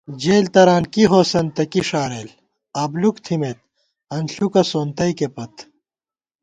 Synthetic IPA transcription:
d͡ʑeːlt̪ɐɾaːnkiɦoːsɐnt̪ɐkiʂaːɾeːl | aːblukt̪ʰimet̪̚ | ɐnɬukɐsoːnt̪ɐikepɐt̪

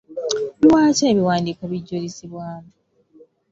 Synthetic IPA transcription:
βiwaːceːβiwaːndiːkoβiɟːolisiβwaːna

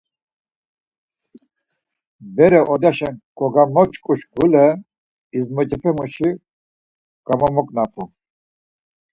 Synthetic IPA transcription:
bɛɾɛʔɔd̪aʃɛnkɔɡamɔt͡ʃʼkʼuʃɡulɛ | izmɔt͡ʃʼɛpʰɛmuʃi | ɡ̥amɔmɔkʼnapʰu

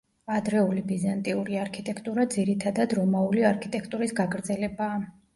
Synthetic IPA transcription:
ad̪ɾɛulibizant̪ʼiuɾiaɾkʰit̪ʼɛkʰt̪ʼuɾad̪ziɾit̪ʰad̪ad̪ɾɔmauliaɾkʰit̪ʼɛkʰt̪ʼuɾisɡaɡɾd̪zɛlɛbaː

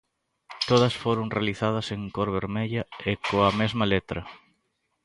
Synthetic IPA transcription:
t̪oðɐsfoɾoŋrealiθað̞ɐseŋkoɾβeɾmeʎɐekoɐmezmɐlet̪ɾɐ

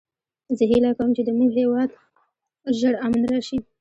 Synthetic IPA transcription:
zəɦilakawəmt͡ʃed̪əmizhewɑd̪ | ʒəɽamanɾɑʃi

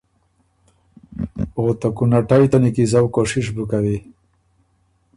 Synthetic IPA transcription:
ot̪akunaʈajt̪anikizawkoʂiʂ̬bukawi

